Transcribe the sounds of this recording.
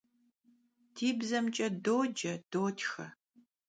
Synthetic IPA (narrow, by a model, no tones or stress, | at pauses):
tʰiːbzɐmt͡ʃʼɐdoːd͡ʒɐd̥oːtʰxɐ